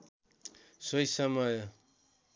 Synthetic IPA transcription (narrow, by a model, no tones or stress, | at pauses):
sʌjsʌmʌj